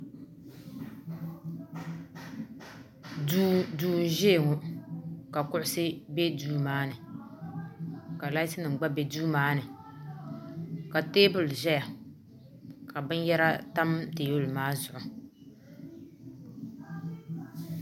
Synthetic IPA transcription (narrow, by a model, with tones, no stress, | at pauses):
duː˨n̩˨ʒeː˦˨ŋʊ˨ka˨kʊ˦ʔʊ˦sɨ˦be˦duː˦maː˦nɨ˨ | ka˨la˦i˦sɨ˦nɨ˨ŋ˨ɡ͡ba˦be˦duː˦maː˦nɨ˨ | ka˨teː˦bʊ˨lʒɛ˦ja˨ | ka˨bɨ˦n˦jɛ˦ɾa˦ta˦mteː˨wo˦lmaː˦zʊ˨ʔʊ˨